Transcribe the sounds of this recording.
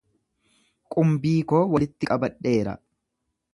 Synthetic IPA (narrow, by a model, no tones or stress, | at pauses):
kʼʊmbiːkoːwɐlɪt̪ːɪkʼɐbɐᶑːe̞ːɾɐ̰